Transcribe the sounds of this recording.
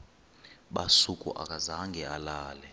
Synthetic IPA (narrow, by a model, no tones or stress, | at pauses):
ɓasukʼṵʔa̰k̬ʼazaŋɡʱɛalaːlɛ